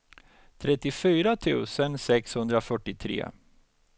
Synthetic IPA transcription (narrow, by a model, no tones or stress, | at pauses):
t̪ʰɾɛt̪ːɪfyːɾat̪ʰʉ̟̰ːsənsɛkshɵnd̪ɾafœʈːɪt̪ʰɾḛː